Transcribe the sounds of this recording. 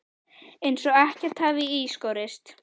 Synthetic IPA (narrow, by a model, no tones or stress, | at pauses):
ejnsɔɣɛhcɛɾ̥t̪havɪiskowɾɪst̪